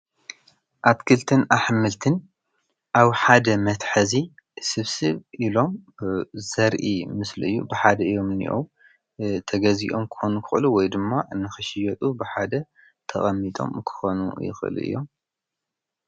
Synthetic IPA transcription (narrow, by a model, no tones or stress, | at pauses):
ʔat̪kʰɨlt̪ʰɨnʔaħmɨlt̪ʰɨn | ʔaβħad̪ɐmɐt̪ħɐzi | sɨβsɨβʔilo̞m | zɐɾʔimɨslɨɨjːubɨħad̪ɐɨjːo̞mɨnḭʔow | t̪ʰɐɡɐzḭʔo̞mkʰɨ̥xo̞nukʰɨxɨluwɔjd̪ɨmːaɨnːɨxɨʃɪjɐt̪ʼubɨħad̪ɐ | t̪ʰɐ̰χʼɐmːit̪ʼo̰mkʰɨ̥xo̞nṵjɪ̰xʔɨ̰lɨ̰ʔɨ̰jːo̞̰m